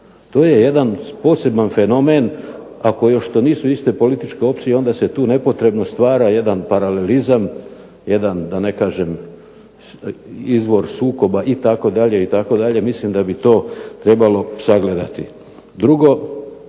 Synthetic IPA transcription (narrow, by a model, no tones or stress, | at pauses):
t̪o̞ːje̞je̞d̪anpo̞ːse̞banfe̞no̞men | ako̞joʃt̪o̞niːsuist̪e̞po̞lit̪it͡ʃke̞o̞p̪̚sije̞o̞nd̪ase̞t̪uːne̞po̞t̪ɾe̞bno̞st̪ʋaːɾaje̞d̪anpaɾale̞lizam | je̞d̪and̪ane̞kaːʒem | izʋo̞ɾsuːko̞baʔit̪ako̞d̪aʎe̞it̪ako̞d̪aʎe̞mislimd̪abit̪o̞ːt̪ɾe̞balo̞saɡle̞d̪a̰t̪ḭ | d̪ɾuɡo̞